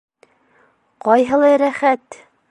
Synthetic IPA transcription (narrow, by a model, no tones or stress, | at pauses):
qɒjɦɤ̆lˠɑjɾæχæt̪